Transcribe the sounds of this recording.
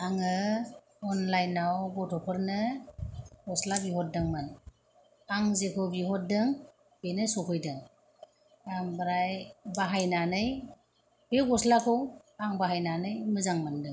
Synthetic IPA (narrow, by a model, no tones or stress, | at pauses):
aŋɯ | ɔnlajnawbɔtʰɔpʰɯɾnɯ | ɡɔslabiɦɔt̚dɯŋmɯn | aŋzekʰɯbiɦɔt̚dɯŋ | b̥enɯsɔkʰɯjdɯŋ | aŋbɯɾajbaɦajnanɯj | beɡɔslakʰɯw | aŋbaɦajnanɯjmɯzaŋmandɯŋ